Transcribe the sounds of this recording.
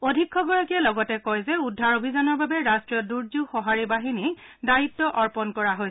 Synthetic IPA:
odʱikʰːɔɡɔɹakiɛlɔɡɔtɛkɔjzɛudʱːaɹobʱizanɔɹbabɛɹastɹijɔduɹzuxɔɦaɹibaɦini | daɹitːɔʔɔɹpɔnkɔɹaɦo

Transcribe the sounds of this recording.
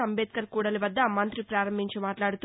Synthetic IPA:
ɐmbeːt̪̚kɐɾkuːɽɐliʋɐd̪ːɐmɐnt̪ɾipɾaːɾɐmbiɲt͡ʃimaːʈlaːɽut̪u

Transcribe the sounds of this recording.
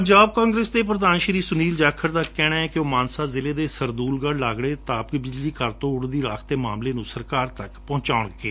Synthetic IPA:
pəɲd͡ʒaːb̚kãːŋɡɾeːsd̪eːp̬ɾəd̪aːnʃɾiːsʊniːld͡ʒaːkʰəɾd̪aːkɛːɽ̃aːɛːkɪoːmaːnsaːzɪleːd̪eːsəɾd̪uːlɡəɽlaːɡɽeːt̪aːpkbɪd͡ʒliːkəɾt̪õːʊɽd̪iːɾaːkʰt̪eːmaːmleːnũːsəɾkaːɾt̪əkpɔ̃ːt͡ʃaːʊɳkeː

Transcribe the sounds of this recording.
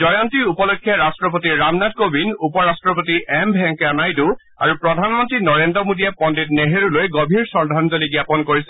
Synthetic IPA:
zɔjɔntiupɔlokʰːjɛɹastɹɔpotiɹamnat̚kobinupɔɹastɹɔpotiʔɛmbʱɛŋkanajtʊ | a̰ɹupɹɔdʱanmɔntɹinɔɹendɹɔmodijɛpɔndit̚neɦeɹulojɡobʱiɹsɔɹdʱanzoliɡjapɔnkoɹisɛ

